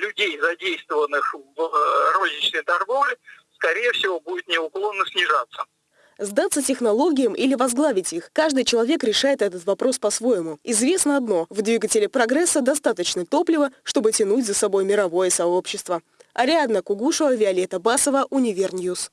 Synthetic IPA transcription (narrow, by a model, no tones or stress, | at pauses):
lʲʊdʲejzɐdʲejst̪vəvənːɨxvrozʲnʲɪt͡ɕnəjt̪ɐrɡovlʲɪ | skɐɾʲejəfsʲɪvobudʲɪt̪nʲɪʊklˠonːəsʲnʲɪʐat̪sːə | zd̪at̪sːətʲɪxnɐlˠo̞ɡʲɪjəmʔilʲɪvɐzɡlˠavʲɪtʲixkaʐd̪ɨjt͡ɕɪlˠɐvʲe̞kɾʲɪʂajɪt̪ɛt̪ət̪vɐpɾo̞spɐsvo̞jɪmʊɪzvʲe̞snəɐd̪no̞vd̪vʲiɡətʲɪlʲɪpɾɐɡɾɛsːəd̪ɐst̪at̪ət͡ɕnət̪o̞plʲɪvəʂt̪o̞bɨtʲɪnutʲzəsɐbo̞jmʲɪɾɐvo̞jəsɐo̞pɕːɪst̪və | ɐɾʲɪad̪nəkʊɡuʂəvəvʲɪɐlʲet̪əbasəvəʔʊnʲɪvʲernʲjus